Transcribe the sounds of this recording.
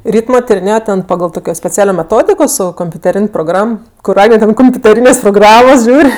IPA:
ˈrʲiːtmoː tʲɪrʲɪˈnʲeːjoː ˈtʲɛn pɐˈɡɐlˠ ˈtoːkʲoː sʲpʲɛˈt͡sʲæːlʲoː mʲɛˈtoːdʲɪkoː ˈsʊ koːmʲpʲʊtʲɛˈrʲɪnʲ proːˈɡrɐm kʊr ˈɑːɡnʲɛ ˈtʲɛn koːmʲpʲʊtʲɛˈrʲiːnʲeːsʲ proːˈɡrɑːmoːs ˈʒʲuːrʲ

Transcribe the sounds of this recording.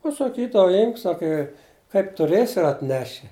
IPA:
pɐsɐˈkʲiːdɐʋɐ ˈɪmk ˈsɑːkɐ ɪ kɐɪp tʊˈrʲeːsʲɪ ɪr ɐtʲˈnʲæːʃʲɪ

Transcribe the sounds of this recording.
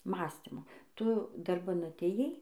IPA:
ˈmɑːsʲtʲɪmoː ˈtʊ dɐrˈbɐn ɐtʲeːjˈɛɪ

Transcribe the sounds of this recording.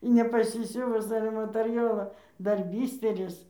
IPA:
ɪ nʲɛpɐˈsʲɪsʲʊʋʊs ˈɑːlʲɛ mɐtʲɛrʲˈjoːlˠoː ˈdɐr ˈbʲiːsʲtʲɛrʲɪs

